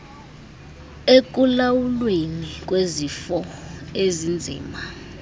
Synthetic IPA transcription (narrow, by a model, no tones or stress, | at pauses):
ek̬ʼulawulwenik̬ʼwezifɔezind͡zʱḭːma